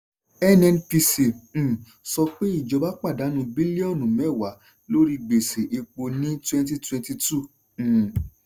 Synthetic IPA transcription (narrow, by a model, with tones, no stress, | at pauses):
ɛ˦nɛ˧npi˧sĩ˨ | sɔ˧k͡pe˦i˦˨d͡ʒɔ˨˧ba˦k͡pa˦˨da˨˦nũ˧bi˦le˦ɔ˦˨nũ˨mɛ˨˦˨wa˨˦ | lo˦ɾi˧ɡ͡be˨se˨ʔe˧k͡po˧nĩ˦twɛ̃˧nt̬i˧twɛ̃˧nti˧tũ˦˨